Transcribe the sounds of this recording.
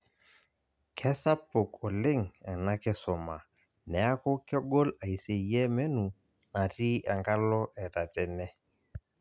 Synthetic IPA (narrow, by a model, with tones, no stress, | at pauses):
kʰɛ˦sa˦pʊ˨kɔ˨lɪ˦ŋɛ˨na˦kɪ˦sɔ˨ma˨ | nɛ˨a˦ko˦kɪ˦ɔ˦ɡɔ˦la˨i˨se˨jɛ˦mɛ˦nu˨ | na˨ti˦ɛ˨ŋka˦lɔ˦ʔɛ˨ɾa˨tɛ˨nɛ˦